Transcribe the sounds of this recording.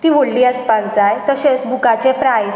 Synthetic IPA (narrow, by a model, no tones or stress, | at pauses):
t̪iːʋoɽliːəspald͡zajt̪əɕet͡sbʱukat͡sepɾajs